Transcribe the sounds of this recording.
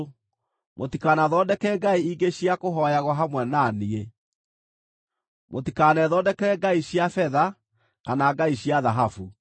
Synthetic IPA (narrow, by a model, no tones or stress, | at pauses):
motikanaðɔdɛkɛɡaiiɡeɕiakoɦɔjaɣwaɦamwɛnanie | motikanɛðɔdɛkɛɡaiɕjafɛða | kanaɡaiɕiaðaɦafu